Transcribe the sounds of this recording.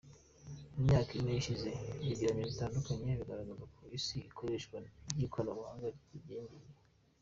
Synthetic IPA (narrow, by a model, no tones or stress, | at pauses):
umɲaːkiinejiʃize̞βiɡiɾaɲizitaːndukaɲeβiɡaɾaɡazapʰoɾisiikʰoɾeːʃɡwajikʰolaumuha̰ːŋɡaɾitiɟeːɲdiɾe